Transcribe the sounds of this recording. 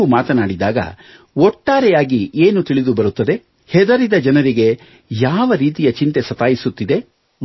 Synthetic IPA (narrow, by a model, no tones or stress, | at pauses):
umaːt̪ɐnaːɽid̪aːɡɐ̰ | ɔʈːaːɾɛjaːɡiʔeːnut̪iɭid̪ubɐɾut̪ːɐd̪e̞ | hɛd̪ɐɾid̪ɐd͡ʒɐnɐɾiɡe̞ | jaːʋɐɾiːt̪ijɐt͡ʃint̪e̞sɐt̪aːjisut̪ːid̪e̞